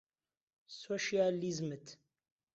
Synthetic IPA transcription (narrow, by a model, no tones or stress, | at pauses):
soʃializmət̪